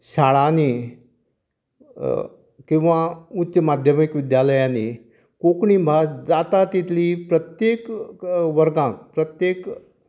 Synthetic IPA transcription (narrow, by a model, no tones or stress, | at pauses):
ɕaɭani | kĩw̃ʋaut̪ːɕəmad̪ʱjəmikʋid̪jaləjãni | kokɳibʱasd͡zat̪at̪it̪ʰliːpɾət̪jekʋəɾɡãkpɾət̪jek